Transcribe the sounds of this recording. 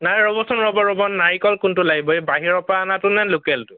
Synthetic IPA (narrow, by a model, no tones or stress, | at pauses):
najɹɔbɔsɔnɹɔbɔɹɔbɔnːaɹikɔlkʊntʊlaɡibɔebaɦiɹɔpaːnatʊnɛnlokɛltʊ